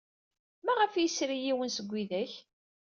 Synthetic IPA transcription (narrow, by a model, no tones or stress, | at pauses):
mæʁəfjisɾijiwənsəɡʷːiðæç